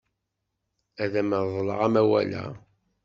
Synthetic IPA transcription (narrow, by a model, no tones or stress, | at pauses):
æðæməððˤlə̰ʁæmæwæ̰læ̰